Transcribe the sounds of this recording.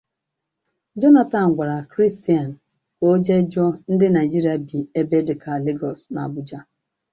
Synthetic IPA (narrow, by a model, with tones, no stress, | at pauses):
d͡ʒɔ˦na˨ta˨n̩˨ɡʷa˨ɾa˨kɾi˦sti˨a˨n̩˨ | ko˦d͡ʒe˦d͡ʒɔ˦n̩˦dɪ˦na˨ɪ˨d͡ʒi˦ɾi˨˦a˨bi˨e˦be˦dɪ˨kʰa˨le˦ɡɔ˨sna̰˨bʊ˦d͡ʒa˦